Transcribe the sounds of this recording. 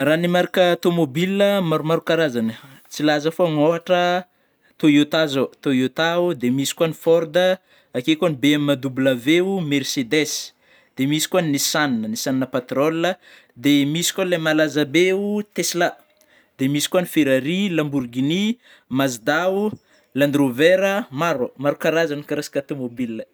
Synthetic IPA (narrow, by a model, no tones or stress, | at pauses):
ranimaɾikaat̪omobiliəmaɾumaɾukaɾazanə | t͡silazəfoŋoaʈ͡ʂə | t̪oiot̪azot̪oiot̪aud̪emisi̥kwanifɔɾd̪ə | akekanibeamimad̪ublaveumeɾsed̪es | d̪̥emisi̥kuanisaninənisaninəpat̪rolːə | d̪emisi̥kalamalazabeut̪esla | d̪emisi̥kuanifeɾaɾilamburɡini | mazid̪au | land̪ɾoveɾəmaɾomaɾukaɾazanikaɾasi̥kʲat̪omobilə